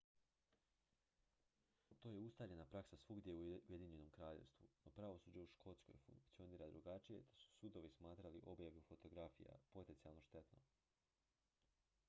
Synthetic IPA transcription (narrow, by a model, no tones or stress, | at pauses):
t̪o̞je̞ust̪aʎe̞napɾaksasʋuɡd̪jeuuje̞d̪iːɲe̞no̞mkɾaːʎe̞̰ʋst̪ʋuno̞pɾaʋo̞suːd͡ʑeuʃko̞t̪sko̰jfṵŋkt̪sio̞niːɾad̪ɾuɡat͡ʃije̞d̪̥asu̥sud̪o̞ʋismaːt̪ɾaliʔo̞bjaʋiufo̞t̪o̞ɡɾafḭja̰po̞t̪ent̪ialno̞ʃt̪e̞t̪no̰